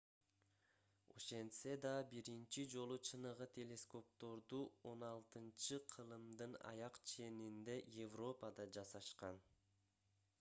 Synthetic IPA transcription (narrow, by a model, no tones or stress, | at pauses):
o̞̰ʃe̞nt̪se̞d̪ɑbiɾint͡ʃid͡ʒo̞lˠut͡ʃʰɯnɯʁɯt̪ʲʰe̞lʲe̞sko̞p̚t̪o̞ɾd̪uo̞nɑlˠt̪ɯnt͡ʃɯqʰɯlˠɯmd̪ɯnɑ̰jɑqt͡ʃʰe̞nind̪e̞jevro̞pəd̪ɑd͡ʒɑsɑʃqɑn